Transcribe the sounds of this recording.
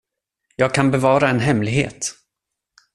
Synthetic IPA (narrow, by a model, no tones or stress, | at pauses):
jɑːɡ̚kʰanbɛvɑːɾaɛnɦɛmlɪɡɦḛːt̪